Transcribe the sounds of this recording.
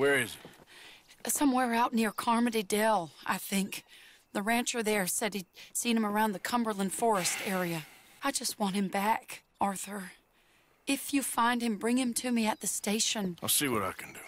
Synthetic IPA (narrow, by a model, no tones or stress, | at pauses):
wɛ˞ɪzɨ | sʌ̃mwɛɹaʊtⁿnɪɹkʰɑɹmɨɾidɛlˠa̰ɪθɪ̃ŋk | ðəɹæ̃nt͡ʃə˞ðə˞sɛd̚isĩnɨ̃mə˞ãʊ̃nðɨkʰʌ̃mbə˞lˠə̃nfɔɹɨstɛɹiɨ | aɪd͡ʒʌst̚wɑ̃nthɨ̃mbæk | ɑɹθə˞ | ɪfjɨfãɪ̃nd̚ɨ̃mbɹɪ̃ŋɨ̃mtʰɨmiɨt̪̚ðɨsteɪʃɨ̃naɪlˠsiwʌɾa̰ɪkʰɨ̃n̩dʉ